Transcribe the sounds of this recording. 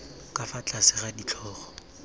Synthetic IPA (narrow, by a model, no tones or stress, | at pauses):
kʼafat͡ɬʼasɪχadit͡ɬʰɔːχɔ̥